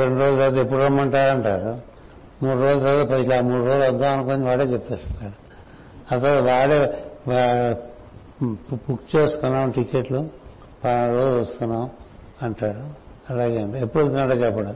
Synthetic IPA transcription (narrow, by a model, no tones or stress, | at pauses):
ɾeɳɖuɾo̞ːd͡ʒut̪ɐːt̪epːuɽɐmɐɳʈaːɾɐɳʈaːɾu | muːɽɾo̞ːd͡ʒut̪aːt̪ɐpɐilaːmuːɽɾo̞ːd͡ʒɐɡ̪ːaːɐnukoːniʋaːɽeːt͡ʃɛpːɛːst̪aɽu | ɐt̪ɐʋaːɽeʋa | bukt͡ʃeːsk̪unːaːmʈikeʈlu | pɐɾoːd͡ʒʋɐst̪unːaːm | ɐɳʈaːɽu | ɐlaːɡeɐɳʈepːuɽot̪uaʈɐːt͡ʃɛpːɐɽɐm